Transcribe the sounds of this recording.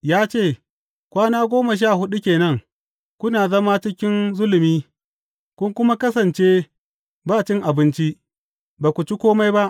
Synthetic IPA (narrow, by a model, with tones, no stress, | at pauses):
jaː˦t͡ʃeː˦˨ | kʷaː˦naː˦ɡʷoː˦mɐ˨ʃ̬aː˦˨hʊ˦ɗu˦kʲeː˨nɐ˦ŋ | kʷʊ˦naː˨zɐ˦maː˦t͡ʃɪ˦kʲɪ˦nzʊ˦lmiː˦ | kʷʊ˦ŋkʷʊ˦ma˦kɐ˦sɐ˨nt͡ʃe˦ | baː˦˨t͡ʃɪ˦ŋʔa˨bɪ˦nt͡ʃi˦ʔ | baː˨kʷu˨t͡ʃi˦kʷoː˦ma˦jba˦ʔ